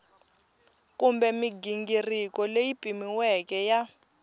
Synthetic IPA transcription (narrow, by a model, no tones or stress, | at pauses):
kumbɛmiɡiŋɡirikɔlejipʼimiwɛkɛja